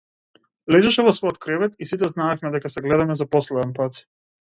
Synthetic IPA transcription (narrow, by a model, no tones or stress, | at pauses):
lɛʒɛʃɛvɔsvɔjɔt̪̚kɾɛvɛt̪isit̪ɛznaɛfmɛd̪ɛkasɛɡlɛd̪amɛzapɔslɛd̪ɛnpat̪